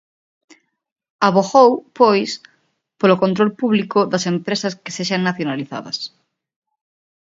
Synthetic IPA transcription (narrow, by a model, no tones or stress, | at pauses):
aβoɣowpojs | polokont̪ɾolpuβlikʊðɐsempɾesɐske̥seʃɐŋnaθjonaliθa̰ðɐ̰s